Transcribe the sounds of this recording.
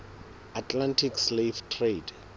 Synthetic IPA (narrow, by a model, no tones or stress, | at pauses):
atʰʼlantʰiksleftʰred